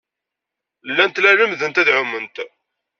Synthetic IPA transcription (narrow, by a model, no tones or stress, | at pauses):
lːænt̪læləmðənt̪æðʕʊmənt̪